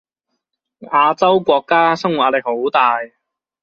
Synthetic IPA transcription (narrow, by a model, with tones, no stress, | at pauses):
aː˧t͡sɐ˥wkʷɔː˧kːaː˥sɐ˥ŋw̚aː˧˥lɛ˨˩k̚ho˨˥wt̪aː˨˩j